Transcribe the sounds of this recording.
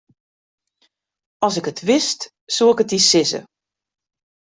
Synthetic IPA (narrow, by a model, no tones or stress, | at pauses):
ɔsɪkətʰʋɪst | suɪkətisɪzə̰